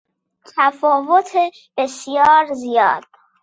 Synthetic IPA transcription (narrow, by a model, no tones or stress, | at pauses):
t̪ʰæfɒːvot̪ʰe | b̥e̞sijɒːɾzijɒ̰ːd̪̥̚